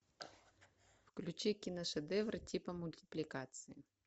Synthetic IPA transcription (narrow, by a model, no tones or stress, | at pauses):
wklʲʊt͡ʃikʲinɐʃed̪ɛʋɾɐtʲipɐmʊlʲtʲɪ̥plʲikɑt̪sɨji